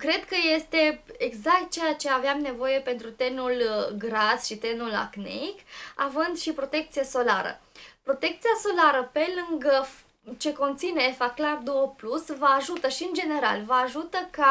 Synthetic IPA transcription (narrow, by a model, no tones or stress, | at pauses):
kɾe̞d̪kəje̞st̪e̞eɡzakt̪̚t͡ʃe̞jat͡ʃe̞aveamne̞vo̞je̞pe̞nt̪ɾut̪e̞nulɡɾasʃit̪e̞nula̰knḛkavɨnd̪ʃipɾo̞t̪e̞k̚t̪sijeso̞la̰ɾə̰pɾo̞t̪e̞kt̪sijaso̞laɾəpe̞lɨŋɡəf | t͡ʃe̞ko̞nt̪sineːfaklard̪owəplusvəaʒut̪əʃiɨnd͡ʒe̞ne̞ɾa̰lvəaʒut̪əka